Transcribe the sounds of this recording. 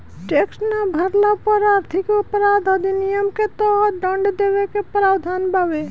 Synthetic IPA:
ʈeksnabʱəɾlapɔɾaɾt̪ʰikupɾad̪ʱəd̪inijəmket̪ɔɦɖəɳɖd̪ebekepɾabd̪ʱanbʱabe

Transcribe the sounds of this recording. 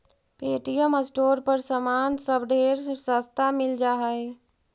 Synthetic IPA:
peʈijəməsʈoːɾpəɾsəmansəbɖʱeɾsəst̪ʰamɪld͡ʒaɦəj

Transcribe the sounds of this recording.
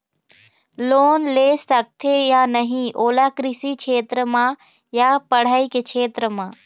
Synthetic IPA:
loːnlesɐk̚t̪ʰejanəɦĩʔoːlakɾɪsikʰeːt̪ɾəmã | japɐɽ̤aːikekʰeːt̪ɾəmãː

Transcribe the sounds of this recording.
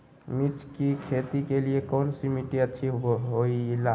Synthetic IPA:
mit͡ʃʰkikʰet̪ikeliekɔːnsimiʈiətːʃʰiɦoila

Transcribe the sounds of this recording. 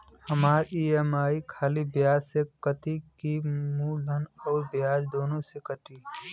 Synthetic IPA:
həmaːɾiːemaːikʰaːlibjaːd͡ʒsekət̪ikimuːlʱənɔːɾbɪjaːd͡ʒd̪oːnõsekəʈiː

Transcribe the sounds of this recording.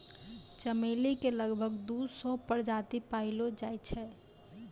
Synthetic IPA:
t͡ʃəmelikeləɡbʱəɡd̪usɔpəɾd͡ʒat̪ipaɪlod͡ʒajt̪t͡ʃʰɛ

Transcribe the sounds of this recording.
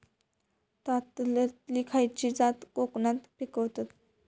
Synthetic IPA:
t̪at̪lət̪likʰajt͡ɕid͡zat̪koknat̪pikəʋt̪at̪

